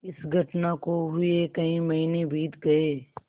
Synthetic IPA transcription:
ɪsɡʱɐʈnakoɦʊekɐĩmɐɦinebʱiːt̪ɡɐeː

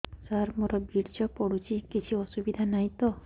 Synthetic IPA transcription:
saɾmɔɾɔbʱiɾd͡ʒɔpɔɽut͡ʃʰikit͡ʃʰiɔsubid̪ʱanajt̪ɔ

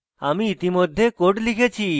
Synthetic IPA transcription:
amiit̪imod̪ʱːekoʈlikʰet͡ɕʰi

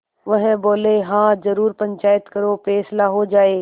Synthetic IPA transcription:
ʋʊɦɪ̃boːleɦãːzɐɾuːɾpɐ̃ɲt͡ʃaːjət̪kɐɾofɛːsɪlaɦod͡ʒaːeː

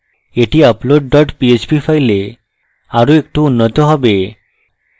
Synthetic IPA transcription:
eʈiaploɖːɔʈpiet͡ʃbifʰajle | aɾoek̚ʈuunːɔt̪ɔɦɔbe

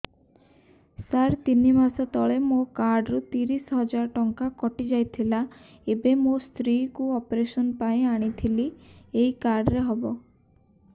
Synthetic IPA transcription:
saɾt̪inimasɔt̪ɔɭemokaɾɖɔɾut̪iɾisɦɔd͡ʒaɾɔʈɔŋkakɔʈid͡ʒajt̪ʰila | ebemost̪ɾikuɔpɾesɔnpaĩaɽ̃it̪ʰilieikaɾɖɾeɦɔbɔ

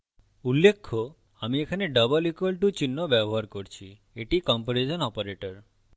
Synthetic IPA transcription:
ulːekʰːo | amiekʰaneɖəbɔlikelʈut͡ɕinːobɛboɦaɾkoɾt͡ʃʰi | eʈikɔmpoɾed͡ʒɔnɔpoɾeʈɔɾ

